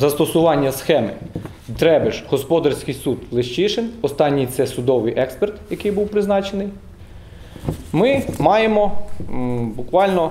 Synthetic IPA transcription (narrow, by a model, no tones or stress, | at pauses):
zɐst̪ɔsʊʋɑnʲːɐsxɛmɪ̰ | t̪ɾɛbɪʒhɔspɔd̪ɐrsʲkɪjsud̪lˠɪʃt͡ʃiʃɪnɔst̪ɑnʲːit̪sɛsʊd̪ɔʋɪjʔɛkspert̪jɐkɪjbuwpɾɪznɑt͡ʃenɪj | mɪmɑjemɔ | bʊkʋɑlʲnɔ